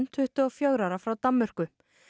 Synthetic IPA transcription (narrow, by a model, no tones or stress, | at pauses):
n̥t̪ʰʏht̪ʏɔɣfjœɣɾaɾafɾawt̪amːʏr̥kʏ